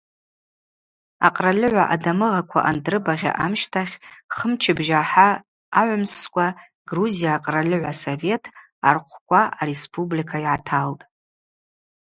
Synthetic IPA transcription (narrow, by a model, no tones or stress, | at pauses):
a̰qʼralɨʕʷaʔadamɨʁakʷʰa̰ʔandrɨbaʁʲa̰ʔamʃtʰaχʲχəmt͡ʃʰɪbʒaħaː | ʕʷamskʷʼa | ɡruzijaːqʼralɨʕʷasove̞tʰ | arqʷʰkʷʼaaɾespʰʼublikʰaiʕatʰaltʼ